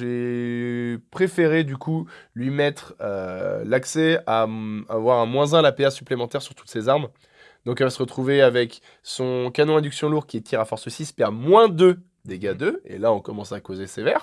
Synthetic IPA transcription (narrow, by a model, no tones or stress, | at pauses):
e | pχefeʁed̪ykʰulɥimɛt̪χølaksɛaavwaʁɛ̃mwɛ̃zɛ̃lapeasyplemɑ̃t̪ɛʁsyʁt̪u̥t̪sezaʁm | d̪̥ɔ̃kɛlvasəʁət̪χuveavɛk | sɔ̃kanɔ̃ɛ̃d̪yksjɔ̃luʁkʲiɛt̪ʰiʁafɔʁsəsispɛʁmwɛ̃d̪ø | d̪eɡad̪øḛlaɔ̃kɔmɑ̃sakozesevɛʁ